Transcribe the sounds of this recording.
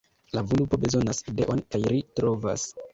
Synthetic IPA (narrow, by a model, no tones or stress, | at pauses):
lavolupo̞be̞zo̞naside̞̰ʔo̞nkajɾitɾo̞va̰s